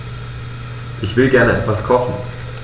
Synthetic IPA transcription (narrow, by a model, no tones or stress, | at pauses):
ʔɪçv̥ɪlɡɛɐnəʔɛtv̥askʰɔχn̩